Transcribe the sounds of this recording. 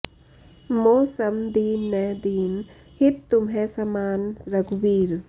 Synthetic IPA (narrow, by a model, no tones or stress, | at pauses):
moːsəmd̪iːnːɛd̪iːn | hɪt̪t̪ʊmɦẽsɐmaːnɾɐɡʋiːɾ